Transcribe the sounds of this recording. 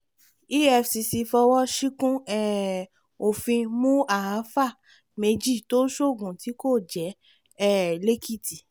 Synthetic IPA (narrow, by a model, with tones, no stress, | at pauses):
i˦ɛ˦˧fsi˧si˧fɔ˧wɔ˦ʃi˦kũ˦ɛ˦ | o˨fĩ˧mũ˦a˦˨a˨˦fa˦˨ | me˧d͡ʒi˦˨to˦ʃo˦˨ɡũ˨ti˨˦ko˦˨d͡ʒɛ˨˦ | ɛ˦˨le˦kʰi˦˨ti˨